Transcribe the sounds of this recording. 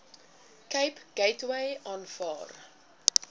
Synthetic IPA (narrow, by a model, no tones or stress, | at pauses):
kəjpɡ̥ejtwejʔɑːnfɑ̰ːr